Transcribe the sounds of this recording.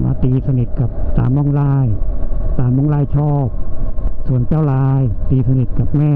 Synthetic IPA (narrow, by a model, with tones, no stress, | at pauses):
wa̰ː˧˥˩t̪iː˧sa˧ni˨˩t̪̚ka˨˩p̚t̪a̰ː˧mmɔ˥˩ŋlaː˥˩jt̪aː˧mɔ˥˩˨ŋlaː˥˩jt͡ɕʰɔː˥˩p̚su˨˩ənt͡ɕaː˥˩wlaː˧jt̪iː˧sa˧ni˨˩t̪̚ka˨˩p̚mɛː˥˩